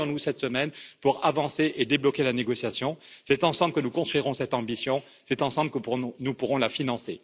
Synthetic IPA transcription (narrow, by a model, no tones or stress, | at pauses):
ɔ̃nusɛt̪səmɛnpuʁavɑ̃seʔed̪eblɔkʲelaneɡɔsjasjɔ̃sɛt̪ɑ̃sɑ̃bləkənukɔ̃st̪χiʁɔ̃sɛt̪ɑ̃bisjɔ̃ | sɛt̪ɑ̃sɑ̃blkəpnupuʁɔ̃lafinɑ̃sḛ